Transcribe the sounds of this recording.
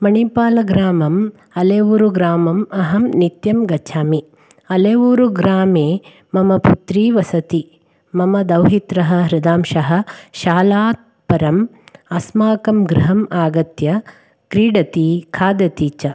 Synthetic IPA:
mɐɳipaːlɐɡɾaːmɐm | ɐleːʋuːɾuɡɾaːmɐmɐɦɐmnit̪jɐmɡɐt͡ʃʰaːmi | ɐleːʋuːɾuɡɾaːmeː | mɐmɐput̪ɾiːʋɐsɐt̪i | mɐmɐd̪ɐwɦit̪ɾɐɦɐ̆ɾɪd̪aːmʃɐɦɐ̆ʃaːlaːt̪̚pɐɾɐmɐsmaːkɐmɡɾɪɦɐmaːɡɐt̪jɐ | kɾiːɽɐt̪ikʰaːd̪ɐt̪iːt͡ʃɐ

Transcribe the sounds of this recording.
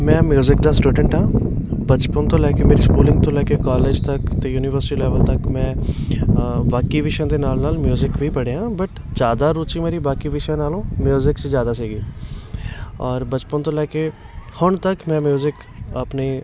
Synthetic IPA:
mɛ̃ːmjuːzɪkd̪aːsʈuːɖəɳʈɦãːbət͡ʃpənt̪õːlɛːkemeːɾiːskuːlɪ̃ŋɡ̚t̪õlɛːkekaːleːd͡ʒt̪əkt̪ejuːnɪʋəɾsɪʈiːlɛːʋəlt̪əkmɛ̃ː | baːkiʋɪʃãːd̪eːnaːlnaːlmjuːzɪkʋʱiːpəɽeːɦãːbəʈd͡ʒjaːd̪aːɾuːt͡ʃimeːɾibaːkiːʋɪʃãːnaːlõːmjuːzɪksizjaːd̪aːsiːɡiː | ɔːɾbət͡ʃpənt̪õːlɛːke | hʊɳt̪əkmɛ̃ːmjuːzɪk | əpniː

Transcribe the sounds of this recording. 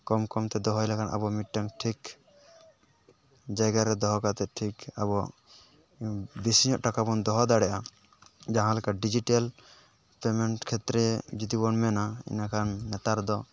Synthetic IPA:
kɔmkɔmt̪ɛd̪ɔɦɔjlakanʔa̰bɔmiʈ̚ʈaŋʈʰik | d͡ʒajɡaɾɛd̪ɔɦɔkat̪ɛt̪̚ʈʰika̰bɔʔ | bisiɲɔʔʈakabɔnd̪ɔɦɔd̪aɽɛʔa | d͡ʒaɦãlɛkaɖid͡ʒiʈal | pɛmɛɳʈkʰɛt̪ɾɛd͡ʒit̪ibɔnmɛnaḭnakʰanːɛt̪aɾd̪ɔ

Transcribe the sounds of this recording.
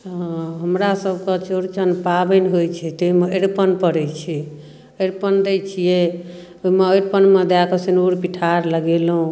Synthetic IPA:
ɦɦəmɾasəbʱkət͡ʃoɾt͡ʃənpabənɦojt͡ʃʰɛt̪oimeeɾpənpəɾɛt͡ʃʰɛ | əɾpənd̪ɛt͡ʃʰijɛ | oimeeɾpənmed̪akəsenuɾpiʈʰaɾləɡelɦũ

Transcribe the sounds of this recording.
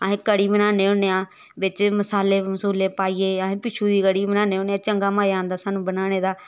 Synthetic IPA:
aːɦẽːkəɽiːbənaːneːõːnejaː | ʋɪt͡ʃməsaːleːməsuːleːpaːiːeːaːɦẽːpɪt͡ʃʰuːd̪iːkəɽiːbənaːneːoːneãːt͡ʃəŋɡaːmaːjãːnd̪aːsaːnũːbənaːɽ̃eːd̪aː

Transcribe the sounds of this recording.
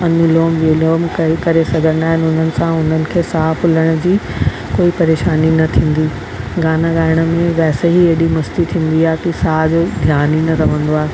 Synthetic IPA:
ɐnʊloːmʋeloːmkɐikɐɾesɐɡʱə̃naːɦɪnʊn̤ənɪ̆sãʊn̤ənɪ̆kʰeːsaːflɐɽ̃ʊ̆d͡ʑiː | koːipɐɾeːʃaːninɐt̪ʰĩːn̆d̪iː | ɡaːnaɡaːɪɽ̃ə̆mẽʋɛːseɦiɐɗimɐst̪it̪ʰĩːn̆d̪iaːɦekisaːd͡ʑoːd̪ʱjaːninɐɾɐʋ̤ə̃nd̪oaːɦe

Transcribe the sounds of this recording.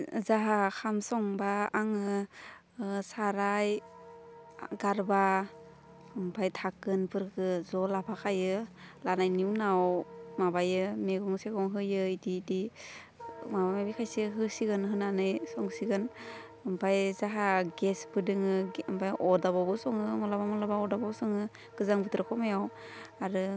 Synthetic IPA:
zaɦakʰamsɔŋbaːŋɯ | saɾaj | ɡaɾba | mpʰajtʰakɯnpʰɯɾkɯzɔlapʰakʰajɯlanajniwnawmabajɯmeɡɔŋseɡɔŋɦɯjɯidiːdi | maaabikʰajseɦɯsiɡɯnɦɯnanɯjsɔŋsiɡɯn | ɯmpʰajzaɦaɡesbɯdɯŋɯmpʰajʔɔdaβabɯsɔŋɯŋɔlabamɔlabaɔdabɔbsɔŋɯ | ɡ̥ɯzaŋbɯt̪ɾɯkʰɔmajaw | aɾɯ

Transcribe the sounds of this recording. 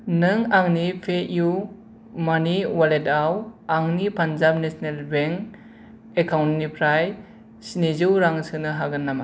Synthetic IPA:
nɯŋaŋnipʰeʔju | maniwaledawaŋnipʰanzabnesnelbeŋ | ekawntnipʰɾaj | sinizɯwɾaŋsɯnɯɦaɡɯnːama

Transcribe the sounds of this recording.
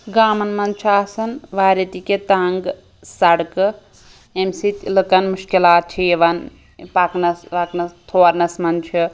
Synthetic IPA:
ɡaːmɐnmɐnt͡ʃʰaːsɐnʋaːɾet̪iket̪aːŋɡ | sɐɽkɨ | emsit̪lɨkɐnmuʃkilaːt̪̚t͡ʃʰieʋɐn | paknɐsʋaknɐt̪ʰoːɾnɐsmɐnt͡ʃʰi

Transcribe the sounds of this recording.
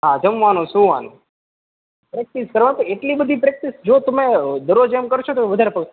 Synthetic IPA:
ɦad͡ʒəmʋanõsũʋanu | pɾek̚ʈiskəɾʋant̪oeʈlibəd̪ʱipɾek̚ʈisd͡ʒot̪əmed̪əɾod͡ʒemkəɾt͡ʃʰot̪oʋəd̪ʱaɾepəɡ

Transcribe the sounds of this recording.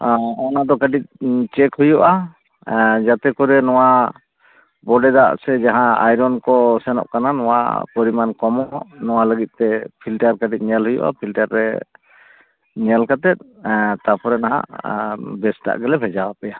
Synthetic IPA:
ɔnad̪ɔkəɖic̚t͡ʃɛkhujuʔa | d͡ʒat̪ɛkɔɾɛnɔwa | bɔɖɛd̪a̰ʔsɛd͡ʒaɦãa̰jɾɔnkɔsɛnɔ̰ʔkananɔwa̰kɔɾimankɔmɔnɔwaləɡit̪̚ˀt̪ɛpʰilʈaɾkəɖic̪̚ˀɲɛlɦujṵʔa̰pʰilʈaɾːɛ̰ | ɲɛlkat̪ɛt̪̚ | t̪apʰɔɾɛnaɦa̰ʔ | bɛsʈa̰ʔɡɛlɛbʰʱɛd͡ʒawapɛja

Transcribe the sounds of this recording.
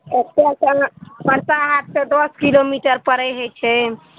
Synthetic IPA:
et̪easpəɾsaɦat̪̚sed̪oskilomiʈəɾpəɾɛjɦət͡ʃʰɛ

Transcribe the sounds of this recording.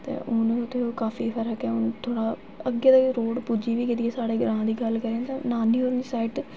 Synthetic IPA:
t̪ḛːʔʊnt̪eːokaːfiːpʰəɾɦəkɛːʊnt̪ʰoːɽaː | əɡaːd̪aɾoːɽpuːd͡ʒiːʋiːkɪt̪̬ieːsaːɽeːɡəɾãːd̪iːɡəlkəɾẽt̪ãnaːniːoɾniːsaːɪʈ

